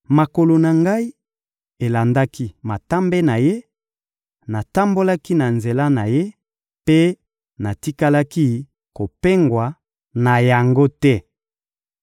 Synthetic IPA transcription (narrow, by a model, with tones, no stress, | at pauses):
ma˨ko˨lo˨na˨ŋɡa˦i˦ | e˨la˨nda˦ki˦ma˨ta˦mbe˦na˨je˦ | na˨ta˦mbo˦la˦ki˦na˨nze˨la˦na˨je˦ | pe˦ | na˨ti˦ka˦la˦ki˦ | ko˨pe˦ŋɡwa˨ | na˨ja˨ŋɡo˦tɛ˦